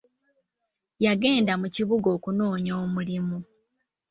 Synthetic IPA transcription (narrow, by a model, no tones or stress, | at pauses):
jaɡe̞ːndamuciβuɡo̞ːkuno̞ːɲoːmulimu